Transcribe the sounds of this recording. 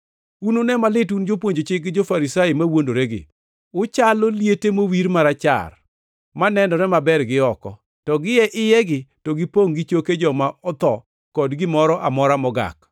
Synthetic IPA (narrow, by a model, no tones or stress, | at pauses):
unonɛmalɪtund͡ʒop̬woɲd͡ʒot͡ʃɪkd͡ʒofaɾisajɪmawondoɾeɡɪ̰ | ʊt͡ʃaloljetemowiɾmaɾat͡ʃa̰r | manɛndɔɾɛmabɛrɡɪɔkɔ̰ | tɔɡɪjɛʔɪjɛɡɪtɔɡɪpoŋɡɪt͡ʃoked͡ʒɔmaʔɔt̪ɔ | kɔdɡɪmɔɾɔʔamɔɾamɔɡa̰k